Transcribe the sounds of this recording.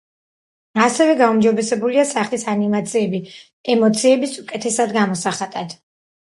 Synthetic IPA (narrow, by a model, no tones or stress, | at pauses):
asɛvɛɡaumd͡ʒɔbɛsɛbuliasaχlisanimat̪sʰiɛbi | ɛmɔt̪sʰiɛbisukʼɛt̪ʰɛsad̪ɡamɔsaχad̪̥ad̪̥